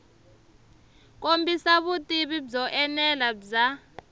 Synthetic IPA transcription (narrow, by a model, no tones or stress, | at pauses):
k̬ʼombʱisaβutʼiβibzɔʔɛnɛlaza